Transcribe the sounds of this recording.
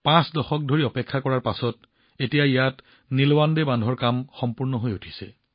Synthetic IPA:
pãsdɔxɔk̚dʱoɹiɔpɛkʰːakɔɹaɹpasɔt̚ | etijaijat | nilwandebandʱɔɹkamxɔmpuɹnɔɦojutʰi̥sɛ

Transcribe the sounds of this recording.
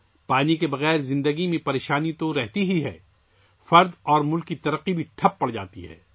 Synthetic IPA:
paːnikebɐɣɛːɾzɪ̃nd̪əɡimẽpɐɾeːʃaːnit̪oɾɛɦt̪iɦiɦɛ̰ː | fɐɾd̪ɔːɾmʊlkːit̪ɐɾəqːibʱiʈʰɐpːɐɽd͡ʒa̰ːt̪iɦɛ̰ː

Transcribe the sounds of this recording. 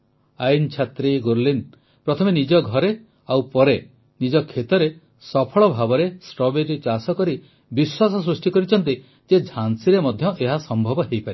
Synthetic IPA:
ajnt͡ʃʰat̪ɾiɡoɾlin | pɾɔt̪ʰɔmenid͡ʒɔɡʱɔɾe | awpɔɾe | nid͡ʒɔkʰːet̪ɔɾe | sɔpʰɔɭɔbʱabɔɾesʈɔbeɾit͡ʃasɔkɔɾi | biswasɔs̬ɾusʈikɔɾit͡ʃʰɔnt̪i | d͡ʒed͡ʒʱansiɾemɔd̪ʱjɔʔeɦasɔmbʱɔbɔɦejpaɾi

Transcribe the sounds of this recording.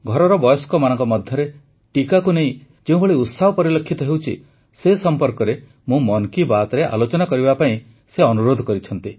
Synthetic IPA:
ɡʱɔɾɔɾɔbɔjɔskɔmanɔ̃ŋkɔmɔd̪ʱjɔɾe | ʈikakuneĩ | d͡ʒeũbʱeɭiut̪saɦɔpɔɾilɔkʰːit̪ɔɦewt͡ʃʰḭ | sesɔmpɔɾkɔɾe | mũmɔnkibat̪ɔɾeʔa̰lot͡ʃɔnakɔɾibapaĩ | seɔnuɾod̪ʱɔkɔɾit͡ʃʰɔnt̪i

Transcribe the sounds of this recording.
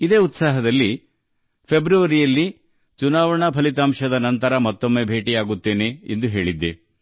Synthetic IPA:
id̪e̞ːut̪saːɦɐd̪ɐlːi | pʰebɾuʋɐɾijɐlːi | t͡ʃunaːʋɐɳɐpʰɐlit̪̬aːmʂɐd̪ɐnɐnt̪ɐɾɐmɐt̪ːomːe̞ːbʱe̞ːʈijaːɡut̪ːe̞ːne̞end̪uɦe̞ːɭid̪ːe

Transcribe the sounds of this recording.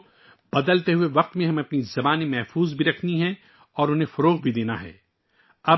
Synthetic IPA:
b̥ɐd̪əlt̪eɦueʋɐq̚t̪mẽɦɐ̃mɐpnizɐbaːnemɛɦfuːzbʱiɾɐkʰniɦɛ̃ | ɔːɾʊnɦẽfʊɾoːʁbʱid̪eːna̰ɦɛ̰ː | ɐ

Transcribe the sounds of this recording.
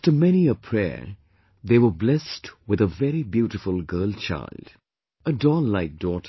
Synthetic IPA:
ftəmɛñiəpʰɹ̥ɛ̰ː | ðeːwə˞blɛstwɨðəvɛɾibjuːɾɪfəlˠɡɜ˞lt͡ʃʰa̰ɪld | ədɔllaɪk̚d̥ɔt

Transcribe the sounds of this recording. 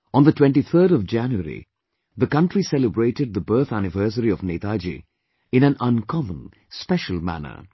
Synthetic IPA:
ə̃nd̪ətwɛ̃nʈit̪ʰəːɾɔvd͡ʒæ̃njuəɾḭ | ðəkʌ̃nʈɾisɛləbɹeɪʈɪd̪̚ðəbɜːθænɪvɜːs̬əɾiɔvneːt̪aːd͡ʒḭ | ɪ̃næ̃nʌ̃nkʰɔmə̃n | spɛʃəlˠmæ̰nə̰

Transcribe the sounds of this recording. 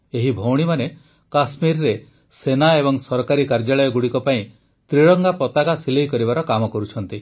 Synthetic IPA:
eɦibʱowɽ̃imane | kasmiɾɾe | senaebɔŋsɔɾɔkaɾikaɾd͡ʒaɭɔjɔɡuɽikɔpaĩ | t̪ɾiɽɔŋɡapɔt̪akasilejkɔɾibaɾɔkamɔkɔɾut͡ʃʰɔnt̪i

